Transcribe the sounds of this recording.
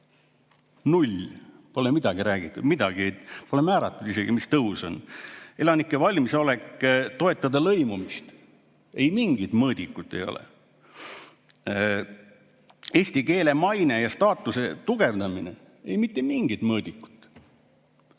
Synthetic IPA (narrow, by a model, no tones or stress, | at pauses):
nulʲpo̞lemid̪̥ɑɡ̥iɾæːɡit̪ːˑud̪̥mid̪̥ɑɡ̥iepo̞le̞mæːɾɑt̪ːˑud̪̥ise̞ɡ̥imist̪ɤɦuso̞ne̞lɑnikːˑevɑlʲmiso̞le̞kt̪o̞e̞t̪ːˑɑd̪ɑlɤjmumist̪ | e̞jmiŋɡit̪mɤːd̪̥ʲikːˑut̪ːˑe̞̰jo̞̰lḛ | eːsʲt̪ike̞ːle̞mɑjne̞jɑst̪ɑːt̪ːˑuse̞t̪uɡ̥e̞vd̪ɑminḛ | ejmit̪ːe̞miŋɡ̥it̪mɤːd̪ikːu̥t̪ːˑ